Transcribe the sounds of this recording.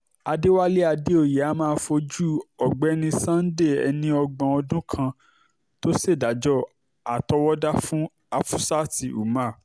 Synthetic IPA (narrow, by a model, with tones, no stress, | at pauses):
a˧de˦wa˦le˦a˧de˦o˦˨jɛ˨a˨˦mãː˦˧˦fo˧d͡ʒu˦ɔ˨ɡ͡bɛ˨˦nĩ˧sã˦n̩˦de˦˨ɛ̰˧nĩ˧ɔ˧ɡ͡bã˧ɔ˧dũ˦kʰã˧ | to˦se˦˨da˨˦d͡ʒɔ˦ | a˨tɔ˧wɔ˦da˦fũ˦ | a˧fu˦sa˦ti˨ṵ˨mã˦˨